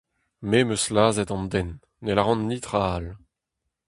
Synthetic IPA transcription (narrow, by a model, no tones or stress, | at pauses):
memøslaːzɛt̪ɑ̃nd̪ɛnː | elaʁɑ̃nːit̪ʁal